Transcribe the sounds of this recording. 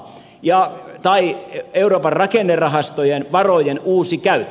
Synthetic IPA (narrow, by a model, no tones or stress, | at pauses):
jɑt̪ɑieuroːpɑrrɑkenːerɑhɑst̪ojenʋɑrojenuːsikæyt̪ː